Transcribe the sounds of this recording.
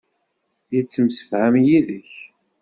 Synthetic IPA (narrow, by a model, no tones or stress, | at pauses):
jit͡sːəmsə̥fhæmjiðəç